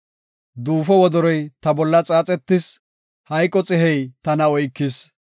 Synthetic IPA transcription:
d̪uːfɔwɔd̪ɔɾɔjt̪ɐbɔlːɐt͡sʼaːt͡sʼɛt̪ːɪs | hɐjkʼːɔt͡sʼɪɦɛjt̪ɐnɐɔjkːɪs

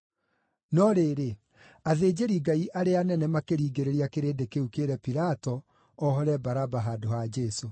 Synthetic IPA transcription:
nɔɾeːɾe | aðeːd͡ʒeɾiɡaiʔaɾeanɛnɛmakeɾiːɡeɾeɾiakeɾeːdekeukeɾɛpiɾatɔ | ɔɦɔɾɛbaɾabaɦaːdoɦad͡ʒɛso

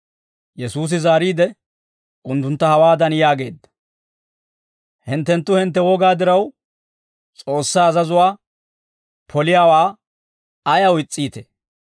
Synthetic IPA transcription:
jɛsuːs̬ɪzaːɾiːd̪ɛ | ʔʊnt̪ːʊnt̪ːɐhɐwaːd̪ɐnjaːɡe̞ːd̪ːɐ̥ | hɪnt̪ːɛnt̪ːʊhɪnt̪ːɛwɔɡaːd̪ɪɾɐw | t͡sʼo̞ːsːaːɐzɐzʊwaː | pʰɔlɪjaːwaː | ɐjɐwɪt͡sʼːiːt̪e

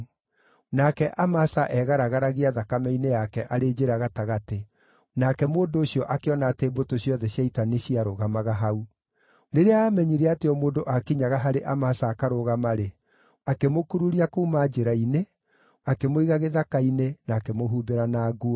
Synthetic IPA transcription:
nakɛʔamasaʔɛɣaɾaɣaɾaɣeaðakamɛinejakɛʔaɾed͡ʒeɾaɣataɣate | nakɛmoːndoːʃiɔʔakeɔnaːteːbotoɕjɔðɛɕjaitaneɕiaɾoɣamaɣaɦau | neɾeaaːmɛɲiɾɛateɔmoːndoʔakiɲaɣaɦaɾeʔamasaːkaɾoɣamaɾe | akemokuɾuɾiakuːmad͡ʒeɾaine | akemoiɣaɣeðakainenaːkemoɦuːbeɾanaːɡu

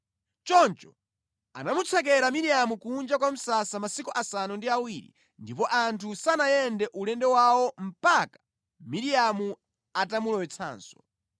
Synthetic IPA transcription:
t͡ʃɔnt͡ʃɔ | a̰namut͡sʰak̬ɛɾamiɾiamukund͡ʒakwam̩sasamasikuʔasanundiawiɾḭ | ndipɔʔantʰusanajɛndɛʔulɛndɛwawɔm̩pakḁ | miɾijamu | atamulɔwɛt͡sʰa̰ːnsɔ̥

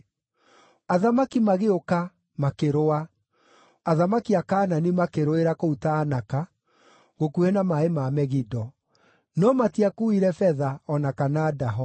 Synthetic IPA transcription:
aðamakimaɣeoka | makeɾoa | aðamakiakaːnanimakeɾoeɾakoutaːnaka | ɣokuɛnamaemamɛɣidɔ | nɔmatiakuiɾɛfɛðaɔnakanaːdaɦɔ

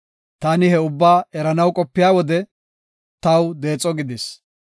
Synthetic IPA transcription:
t̪aːnɪhɛʊbːaːɛɾɐnɐwkʼɔpːɪjaːwɔd̪ɛ | t̪ɐwd̪e̞ːt͡sʼːɔɡɪd̪ɪs

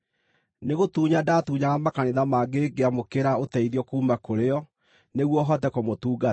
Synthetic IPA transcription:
neɣotuːɲadatuːɲaɣamakaneðamaːɡeɡeamokeɾaotɛiðjɔkuːmakoɾeɔ | neɣwɔɦɔtɛkomotuːɡa

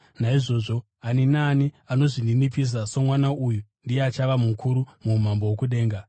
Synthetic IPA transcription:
naiʐo̞ʐo̞ | aninaːni | ano̞ʐindinipis̬asomwanaʔujundijeat͡ʃaʋamukʰuɾumum̤ambo̞wokuɗe̞ːŋɡa

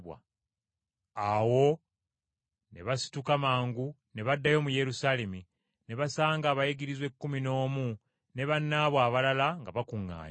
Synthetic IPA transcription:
wa̰ | awo̞ | ne̞̰βasi̥tukamaːŋɡu | ne̞βadːajo̞muje̞ɾusaːle̞mi | ne̞βasaːŋɡaːβajeɡiɾizwe̞kːumino̞ːmu | ne̞βanːaːβwaːβalalaŋɡaβakuŋːa̰ːɲ

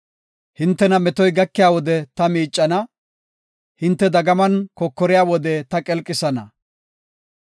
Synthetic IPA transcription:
hɪnt̪ːɛnɐmɛt̪ɔjɡɐkːɪjaːwɔd̪ɛt̪ɐmiːt͡ʃʼːɐnɐ | hɪnt̪ːɛd̪ɐɡɐmɐnkɔkːɔɾɪjaːwɔd̪ɛt̪ɐkʼɛlkʼːɪsɐnɐ

